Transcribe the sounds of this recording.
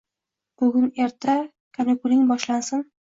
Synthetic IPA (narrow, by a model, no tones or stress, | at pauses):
b̥ɵɡʲʊneɾt̪ʰa | kʰanakʊlɪŋbɒʃlansɪn